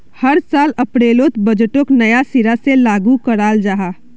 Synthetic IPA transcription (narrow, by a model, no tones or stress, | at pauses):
həɾsaːləpɾeːlot̪bəd͡ʒʈoknəjasiɾaselaɡukəɾaːld͡ʒaːɦaː